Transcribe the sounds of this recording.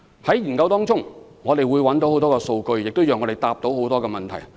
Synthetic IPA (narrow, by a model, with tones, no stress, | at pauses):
hɐ˨˥jjiː˨˩nkɐ˧wt̪ɔː˥ŋt͡sʊ˥ŋ | ŋɔː˨˧t̪e˨jwuː˨˧jwɐ˨˥nt̪o˨˥who˨˥wt̪ɔː˥kɛː˧so˧wkɵ˧ɥjɪ˨k̚t̪o˥wjɐœː˨ŋɔ˨˧e˨˩jt̪aː˧p̚t̪o˨˥who˨˥wt̪ɔː˥kɛː˧mɐ˨nt̪ʰɐ˨˩j